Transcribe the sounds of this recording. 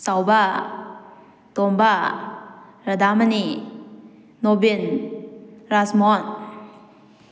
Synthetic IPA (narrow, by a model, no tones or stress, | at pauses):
sawba | t̪ɔmba | ɾad̪amani | ɔbin | ɾasmɔn